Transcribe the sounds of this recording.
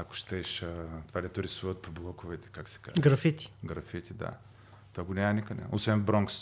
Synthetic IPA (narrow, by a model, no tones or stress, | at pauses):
ako̥ʃt̪ɛʃət̪ovad̪ɛt̪oɾisuvət̪̚poblˠɔkʊvɛt̪ɛ̥kaksɛ̥ka̰zɡɾɐfit̪ʲi̥ɡɾɐfit̪ʲid̪a̰ | t̪ovaɡonʲamnikənɛ̰ʔo̰svɛnbɾɔŋks